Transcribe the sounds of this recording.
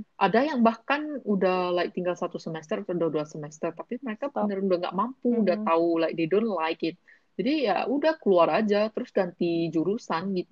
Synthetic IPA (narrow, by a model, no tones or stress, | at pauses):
ʔadajaŋbahkanudahlaɪk̚t̪iŋɡalsat̪usəmɛst̪ərat̪audaduasəmɛst̪ərt̪apiməɾekapənəɾudahŋɡa̰ʔmampuudaht̪aulaɪk̚dedonlaɪkɪt̪̚ | d͡ʒadija̰udahkəluarad͡ʒat̪əɾʊsɡant̪id͡ʒuɾusanɡit̪̚u